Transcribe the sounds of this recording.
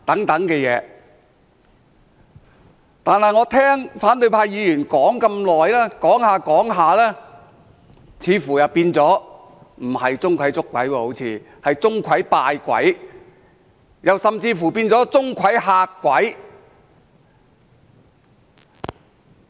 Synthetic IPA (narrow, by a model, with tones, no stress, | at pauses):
t̪ɐ˨˥ŋt̪ɐ˨˥ŋkɛː˧jɛː˨˧ | t̪aː˨nhɐ˨jŋɔː˨˧t̪ʰɛː˥ŋfaː˨˥nt̪ɵ˧ɥpʰaː˧jjiː˨˧jyː˨˩nkɔː˨˥ŋkɐ˧mlɔː˨jlɛː˥kɔː˨˥ŋhaː˨˧kɔː˨˥ŋɦaː˨lɛː˥ | t͡sʰiː˨˧fuː˨˩jɐ˨wpiː˧nt͡sɔː˨˥ | m̩˨˩hɐ˨jt͡sʊ˥ŋkʰʷɐ˨˥jt͡sʊ˥kːwɐ̰˨˥jwɔː˧ho˨˧˥wt͡sʰiː˨˧ | hɐ˨jt͡sʊ˥ŋkʷʰɐ˨˥jpaː˧jkʷɐ̰˨˥j | jɐ˨wsɐ˨mt͡siː˧fuː˨˩piː˧nt͡sɔː˨˥t͡sʊ˥ŋkʰɐ˨˥jɦaː˧kʷːɐ˨˥j